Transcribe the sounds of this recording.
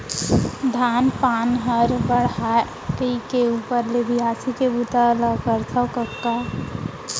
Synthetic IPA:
d̪ʱanpaːnɦəɾbəɽ̤a | kəikeupəɾlebiɦasikebut̪aləkəɾt̪ʰəwkəkːa

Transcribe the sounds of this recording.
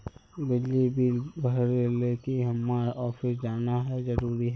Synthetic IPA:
bɪd͡ʒlibilbʱəɾeleːkiɦɐmːaɔːfɪsd͡ʒaːnaɦɛzəɾuːɾiɦɛː

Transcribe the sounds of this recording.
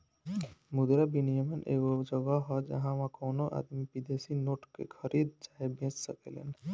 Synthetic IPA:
mud̪ɾabinijəmənʔeːɡod͡ʒəɡaɦɔd͡ʒɐ̰ɦãʋãkoːnoʔa̰d̪mibid̪eːsinoːʈkḛkʰəɾiːd̪̚d͡ʒaːebẽːd͡ʒsəkelḛn

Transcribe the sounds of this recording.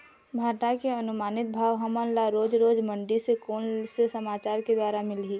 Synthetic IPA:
bʱaːɾʈ̪akeɐnʊmaːnɪt̪̚bʱaːʋɦɐmənlaɾoːd͡ʒɾoːd͡ʒmɐ̃ɳɖisekoːnsesɐmaːt͡ʃaːɾked̪waːɾamɪlɦiː

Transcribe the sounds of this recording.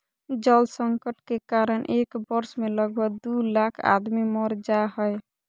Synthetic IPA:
d͡ʒəlsəŋkəʈkekaɾənʔekbʌɾsmeləɡ̚bʱʌɡ̚d̪ulakʰa̰d̪mimɔɾd͡ʒaɦəj

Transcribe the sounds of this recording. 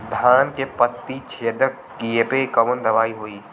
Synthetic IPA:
d̪ʱaːnkepət̪ːit͡ʃʰeːd̪ək | kiepekəʋənd̪ɐʋaːiɦoːiː

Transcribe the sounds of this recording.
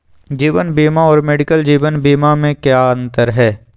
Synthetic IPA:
d͡ʒiːʋənbiːmaɔːɾmeːɖɪkəld͡ʒiːʋənbiːmamẽkjaːɐ̃nt̪əɾɦɛː

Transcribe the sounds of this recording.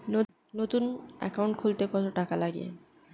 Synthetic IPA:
ot̪unɛ̰kauɳʈkʰult̪ekɔt̪oʈakalaɡḭḛ

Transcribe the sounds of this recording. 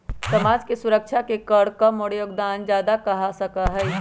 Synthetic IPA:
səmad͡ʒkesuɾək̚t͡ʃʰakekəɽkəmoɽjoɡd̪and͡ʒad̪akəɦasəkəɦəɪ

